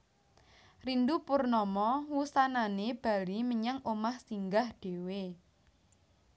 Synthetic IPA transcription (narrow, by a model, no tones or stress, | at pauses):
rind̪upurnɔmɔwusananeb̥a̤liməɲaŋʔomahsiŋɡahɖ̥e̤we